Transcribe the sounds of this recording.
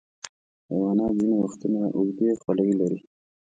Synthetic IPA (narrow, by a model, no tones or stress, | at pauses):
awɑnɑzinewaxt̪unaʔʊɡd̪exwalawilaɾi